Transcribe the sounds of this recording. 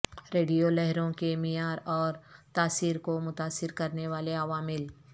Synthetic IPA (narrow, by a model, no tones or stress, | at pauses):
ɾeːɖijolɛɦɾõkemɪjaːɾɔːɾt̪aːsiːɾkomʊt̪aːsɪɾkɐɾneʋaːleɐʋaːmɪl